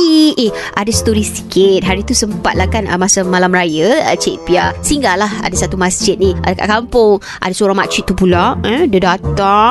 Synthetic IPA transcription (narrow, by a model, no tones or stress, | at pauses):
ieʔadasə̥t̪oɾisi̥kɪt̪̚ɦaɾit̪usəmpat̪̚lakanə̰masamalamɾajə̰t͡ʃeʔpiasiŋɡalaha̰dasat̪umasd͡ʒɪt̪̚niʔaka̰ʔkampʊŋ | ʔa̰dasoɾaŋmaʔt͡ʃiʔt̪ːupulaʔɛ̃dədat̪a